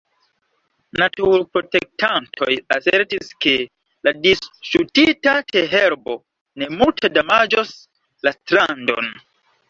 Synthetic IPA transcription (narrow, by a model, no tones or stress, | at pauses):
natuɾpɾo̞te̞k̚tʰantʰo̞jaseɾtiske̞ | ladisʃutitateɦeɾbo̞ | ne̞multʰedamad͡ʒos | lastɾando̞̰n